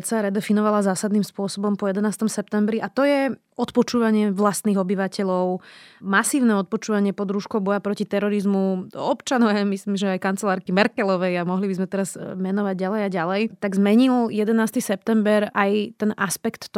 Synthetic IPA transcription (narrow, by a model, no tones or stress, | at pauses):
saɾɛd̪ɛfinɔʋalazaːsad̪niːmspʊɔsɔbɔmpɔjɛd̪ɛnaːst̪ɔmsɛp̚t̪ɛmbɾiʔat̪ɔjɛ | ɔt̪pɔt͡ʃuːʋaɲɪɛʋlast̪niːɣɔbiʋacɛʎɔʊmasiːʊnɛɔt̪̚pɔt͡ʃuːʋaɲɪɛpɔd̪ɾuːʃkɔʊbɔjapɾɔcit̪ɛɾɔɾizmuɔpt͡ʃanɔʊamislimʒɛajkant͡sɛlaːɾkimɛɾkɛlɔʋɛjamɔɦlibizmɛt̪ɛɾazmɛnɔʋaɟ̚ɟalɛjaɟalɛjt̪aɡzmɛɲiljɛd̪ɛnaːst̪isɛp̚t̪ɛmbɛɾʔajt̪ɛnaspɛkt̪ː